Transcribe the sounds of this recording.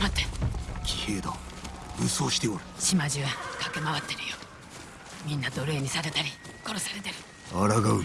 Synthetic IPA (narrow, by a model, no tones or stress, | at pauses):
ɾot̪ːeɾkʲʰi̥he̞ːd̪oɯ̟soːɕi̥t̪eoɾɯ̥ɕimaʑiβakakemaβat̪ːe̞ɾɯ̟jo | mʲĩnːad̪o̞ɾe̞ːɲ̟isaɾe̞t̪aɾʲiko̞ɾosaɾe̞t̪e̞ɾɯ̟ | aɾaɡaɯ